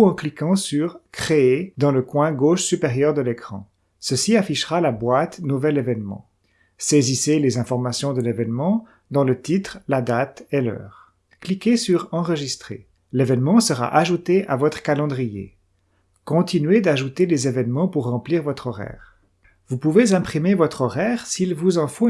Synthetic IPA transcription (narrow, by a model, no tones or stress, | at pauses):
ɑ̃klikɑ̃syʁkχeed̪ɑ̃ləkwɛ̃ɡoʃsypeʁjœʁd̪əlekχɑ̰̃ | səsiafiʃʁalabwat̪nuvɛlevɛnmɑ̰̃ | seziselezɛ̃fɔʁmasjɔ̃d̪əlevɛnmɑ̃ | d̪ɑ̃lət̪it̪χlad̪at̪ɛlœ̰ːʁ | klikʲesyʁɑ̃ʁəʒist̪χḛ | levɛnmɑ̃səʁa̰ʔaʒut̪eʔavɔt̪χə̥kalɑ̃d̪ʁijḛ | kɔ̃t̪inɥed̪aʒut̪elezevɛnmɑ̃puʁːɑ̃pliːʁvɔt̪χɔʁɛ̰ːʁ | vupuvezɛ̃pχimevɔt̪χɔʁɛːʁsilvuzɑ̃fo